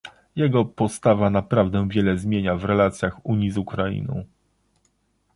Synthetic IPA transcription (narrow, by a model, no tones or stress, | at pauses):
jɛɡɔpɔst̪avanapɾavd̪ɛ̃vʲjɛlɛzmʲjeɲavɾɛlat̪sʲjaxuɲizukɾaḭnɔ̰̃w̃